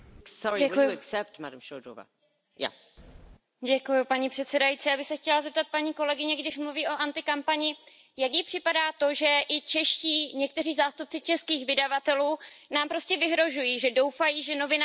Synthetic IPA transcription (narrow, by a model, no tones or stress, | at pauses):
sɔɹiɛkujɛksɛp̚tmadamʃodo̰va̰ | ja̰ | ɟɛkujupaɲipr̝̥ɛt̪sɛdajit͡siːjaːbɪxsɛxcɛlazɛp̚t̪at̪̚paɲiːko̞lɛɡɪɲɛɡdɪʃmluviːʔo̞ʔant̪ɪkampaɲɪ | jakjɪpr̥ɪpadaːt̪o̞ʒɛʔɪt͡ʃɛʃciːɲɛk̚t̪ɛriːzaːst̪up̚t͡sɪt͡ʃɛskiːxvɪdavat̪ɛluːnaːmpɾo̞scɛvɪɦɾo̞ʒujiːʒɛdo̞wfajiːʒɛno̞vɪna